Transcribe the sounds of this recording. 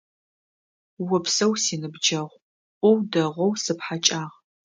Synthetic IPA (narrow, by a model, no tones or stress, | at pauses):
wʊpsɐwsiːnɨbd͡ʒɐʁʷ | ʔʷɔwdɐʁʷɔwsɨpħat͡ʃʼaːʁ